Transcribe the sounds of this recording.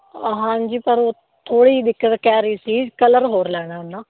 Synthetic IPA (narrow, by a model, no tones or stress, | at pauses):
ɦãːɲd͡ʒiːpəɾoː | t̪ʰoːɽiːd̪ɪkːət̪kɛːɾiːsiːkələɾɦoːɾlɛːɽ̃aːnːaː